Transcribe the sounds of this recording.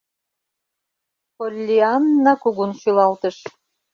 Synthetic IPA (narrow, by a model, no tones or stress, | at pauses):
polʲːiɑnːɑkuɣunʃylɑlt̪ə̆ʃ